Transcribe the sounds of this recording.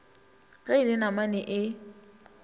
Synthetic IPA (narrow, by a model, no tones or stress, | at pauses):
ɣailɪnamanɪʔɪ